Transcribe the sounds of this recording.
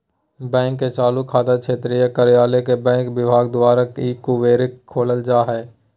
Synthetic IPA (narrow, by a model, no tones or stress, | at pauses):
bɛ̃ːŋkːet͡ʃaːlukʰːaːd̪akt͡ʃʰeːt̪ɾijəkəɾɪjaːlekebɛ̃ːŋkʋɪbʱaːɡd̪ʊwaːɾəkiːkːuʋeːɾɪkʰːoːləld͡ʒaːɦɛː